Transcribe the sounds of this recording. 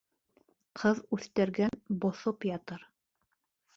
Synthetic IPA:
qʰɤðʉθt̪æ̆ɾɡænbŏθopjɑt̪ɤɾ

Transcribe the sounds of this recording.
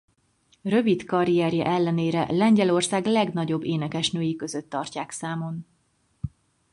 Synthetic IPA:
rø̞vit̪kɒɾiɛɾjɒ̰ʔɛlːɛneːɾɛ̰lɛɲɟɛlo̞rsaːɡlɛɡnɒɟo̞bːeːnɛkɛʃnøːjikø̞zøt̪ːɒrcaːksaːmo̞n

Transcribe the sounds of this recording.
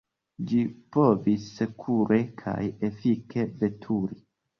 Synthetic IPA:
d͡ʒipo̞visːekʰuɾe̞kʰa̰jefike̞ve̞tʰuɾi

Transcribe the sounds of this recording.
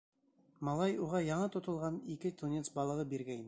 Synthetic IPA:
mɑlˠɑjuʁɑjɑɴɤt̪ʰŏt̪ɤ̆lˠʁɑnikʲɘt̪ʰunʲet̪sbɑlˠɤʁɤbiɾɡʲæjn

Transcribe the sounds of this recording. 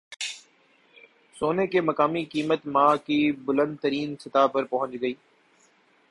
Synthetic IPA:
soːnekeːmɐkaːmikiːmət̪mãkiːbʊlə̃nd̪̚t̪əɾiːnsɪt̪aːpəɾpɐɦə̃ɲd͡ʒɡɐiː

